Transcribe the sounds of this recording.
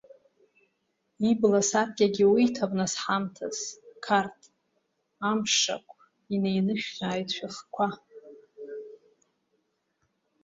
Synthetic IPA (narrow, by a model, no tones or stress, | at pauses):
iblasarɡʲaɡʲɪwitʰabnasħamtʰa̰z̥kʰartʰʼ | amʂa̰kʷʰʼ | inejnɨʃᶣzaːjtʰʼʃʷᶣaχkʷʰa